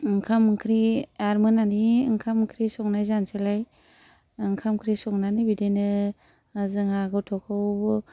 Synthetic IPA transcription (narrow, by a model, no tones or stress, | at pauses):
ɯŋkʰamkʰɾiaɾmɯnaniŋkʰamkʰɾisɔŋnajzanselaj | ɯŋkʰamkʰɾisɔŋnanibidenɯ | zɯŋhaɡɯwtʰɔkʰɯwbɯ